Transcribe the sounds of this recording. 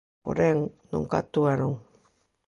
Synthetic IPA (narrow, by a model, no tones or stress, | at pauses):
o̰ɾeŋno̰ŋka̰t̪uaɾuŋ